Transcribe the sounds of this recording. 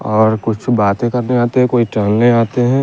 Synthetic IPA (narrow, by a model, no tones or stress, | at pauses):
ɔːɾkʊt͡ʃʰbaːt̪ẽkɐɾneaːt̪eɦɛ̃koːiʈɾɐ̃nneaːt̪eɦɛ̃ː